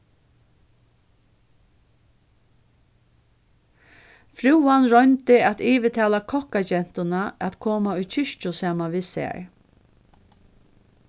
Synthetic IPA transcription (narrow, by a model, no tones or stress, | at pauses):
fɾuwanɾɔjnt̪ɪɛt̪iːʋɪt̪ʰaːlakʰɔhkat͡ɕɛn̥t̪ʊnaɛt̪kʰoːmaʊjt͡ʃʰɪʂt͡ʃʊsaːmanʋɪsɛ̰ɹ